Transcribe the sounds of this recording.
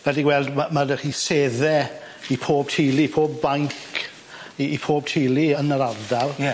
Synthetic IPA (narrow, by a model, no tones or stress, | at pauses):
vɛdiɡwɛlˠdmamadəχiːseːðɛ | ipʰoːb̚tʰiːlˠipʰoːbːaŋkʰ | iːpʰoːb̚tʰɪːlˠiənəɾardarˠ